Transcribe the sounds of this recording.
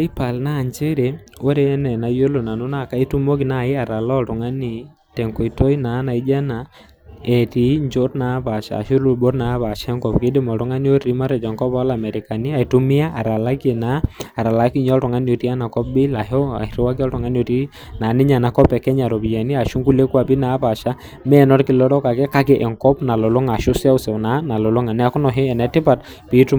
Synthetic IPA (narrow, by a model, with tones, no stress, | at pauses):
a˦i˦pa˨lna˦˨ɲt͡ʃe˦ɾe˨ | wo˦ɾe˦nɛ˨na˨jo˦lo˨na˨nʊ˦na˦˨ka˦i˦tu˦mo˦ki˨na˦˨ɪ˦a˨ɾa˨lɔ˦˨tʊ˨ŋa˦ni˦ | tɛ˨ŋkɔ˨i˨to˦i˦na˨˦na˨i˦d͡ʒa˦na˨ | ɛ˨ti˨ɲd͡ʒo˦ɾna˨˦ba˨ʃa̰˨ʃi˦lu˨bo˦ɾna˨˦βa˨ʃɛ˦ŋkɔ˨pke˦dɪ˦mɔ˨tʊ˨˦ŋa˦ni˦o˦ɾi˦ma˦ɾɛ˨d͡ʒɔ˨ŋkɔ˦bɔ˦la˨mɛ˨ɾɪ˨ka˨ni˦a˨i˨tu˦mɪ˦a˦ʔa˨ɾa˨la˦ke˨naː˨˦˨ɾa˨la˦ki˦ɲɔ˦ltɔ˨ŋa˦njo˨ɾi˦a˦na˨kɔ˦p̚bi˦la˨ɦɔ˦a̰˨i˨ɾi˦wa˦k̬i˦ɔ˦ltɔ˨ŋa˦no˨ti˦ | na˨nɪ˦ɲa˨na˨˦kɔ˦pɛ˨kɛ˦ɲa˨ɾɔ˨bi˨ja˨ni˦a˨ʃu˦ŋku˦le˦ku˦a˨pi˦na˦pa˨ʃa˦ | mɛ˦nɔ˦ɾkɪ˨lɔ˦ɾɔ˦ka˨kɛ˦ka˦kɛ˦ʔɛ˨ŋkɔ˦pna˨lɔ˨lʊ˦ŋa˨ʃu˦sa˦ʊ˦sɛ˨na˨˦na˨lɔ˨lʊ˦ŋa˨nɛ˦a˦kʊ˦nɔ˨ɦɛ˦ɛ˨nɛ˨˦tɪ˦pa˨t̚ | pi˨˦tu˦